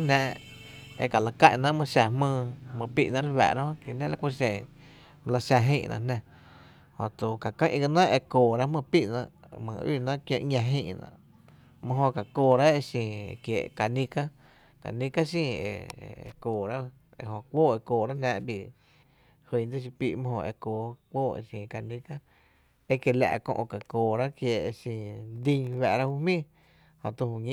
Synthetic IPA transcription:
nãː˧˦ʔḛ˧˨ka˨la˨kã˦˨ʔnã˧ʔmɨ̃˧ʃa˧hmɨ̃ː˧mɨ̃˧pi˦ʔnã˦ɾwɛ̰ː˨ɾa˦hõ˦ke˧˨nẽ˦la˧kʷu˧ʃẽ˧˨ | mə̃˧la˧ʃa˧ɦĩː˦˧ʔnʔã̰˧˨nã˧ | hõ̰˧t̪u˨ka˨kə̃˦ʔɡa˧nə̃˦ʔe˧koː˨ɾa˦mɨ̃˧pi˦ʔnã̰˧ʔmɨ̰̃˨ḭː˦˧˨nã˦ʔkjẽ˧ʔɲã˧ɦĩː˧ʔnã̰˧˨ | mə̃˦ɦõ˧ka˨koː˧˨ɾa˦e˧sĩ˧˨e˨kjḛ˨ʔka˨nĩ˧ka˦ | ka̰˨nĩ˦ka˦s̬ĩː˧ḛ˧˨˧koː˨ɾa˦ | ḛ˧˨hõ˧kʷoː˦e˧koː˨ɾa˦nãː˧˦ʔbi˧˨ | hwĩ˧˨d͡zə˦ʃ̬i˧pi˧ʔmə̃˦hõ̰˧ʔḛ˧˨koː˨kʷoː˦˨ḛ˧˨sĩ˨ka˧nĩ˧ka˦ | e˦ke˧˨la̰˧˨ʔkõ̰˧ʔka˨koː˨ɾa˦kje˧e˧sĩ˧˨d̪ĩ˧ɲwɛ˧ʔɾa˦hu˦mĩː˦˨ | hõ̰˧t̪u˧hu˧˨ɲĩ˦˨

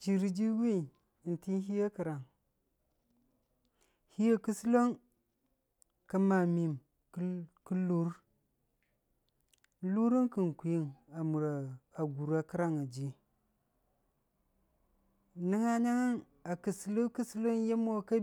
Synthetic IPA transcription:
t͡ʃi˨ɾi˨d͡ʒi˦wi˦˨ | n˨ti˦n˦ɦi˦ja˦ki˨ɾa˨ŋ | hi˦ja˦ku˦su˦lo˦ŋ | ka˦ma˨mi˨m | kku˦lu˦ɾ | lu˦ɾi˦nki˨nku˨ji˦ŋa˨mu˨ɾa˨a˨ɡu˨ɾa˦ki˦ɾa˦ŋa˨d͡ʒi˦ | ni˦ŋa˦ɲa˦ŋa˦n | a˨ki˨slu˦ki˦si˦lo˦nje˦mo˦˨ka˦

